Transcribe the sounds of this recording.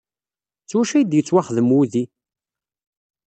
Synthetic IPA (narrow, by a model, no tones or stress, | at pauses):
t͡sːwæʃæjd̪jət͡sːwaχəðəmuði